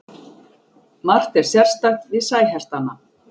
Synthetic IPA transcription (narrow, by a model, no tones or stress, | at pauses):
mar̥t̪ɛɾ̥sjar̥st̪axt̪vɪðsaːjɦast̪ana